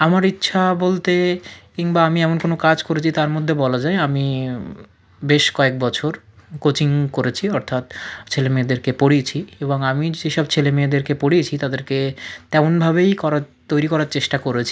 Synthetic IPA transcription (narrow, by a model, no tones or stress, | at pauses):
amaɾitːɕʰabolt̪ekiŋbaamiɛmonkonokad͡ʑkoɾet͡ɕʰit̪aɾmod̪ʱːebɔlad͡ʑaeami | beʃkɔek̚bɔt͡ɕʰoɾkot͡ɕiŋkoɾet͡ɕʰiɔɾt̪ʰat̪t͡ɕʰelemeed̪eɾkepoɽiet͡ɕʰieboŋamieʃɔb̚t͡ɕʰelemeed̪eɾkepoɽiet͡ɕʰit̪ad̪eɾket̪ɛmonbʱabejkɔɾat̪ojɾikɔɾaɾt͡ɕeʃʈakoɾet͡ɕʰi̥